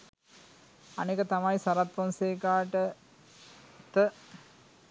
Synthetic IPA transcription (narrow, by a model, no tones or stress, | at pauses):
anekət̪amajsaɾat̪̚ponseːkaːʈə | t̪ə